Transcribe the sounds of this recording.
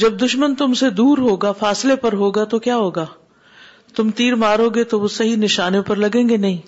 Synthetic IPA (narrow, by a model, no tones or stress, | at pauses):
d͡ʒɐb̚d̪ʊʃmənt̪ʊmsed̪uːɾɦoːɡaːfaːslepɐɾɦoːɡat̪okjaːɦoːɡaː | t̪ʊmt̪iːɾmaːɾɦoːɡet̪oʋosɐɦinɪʃaːnjõpɐɾlɐɡẽːŋɡenɐɦĩː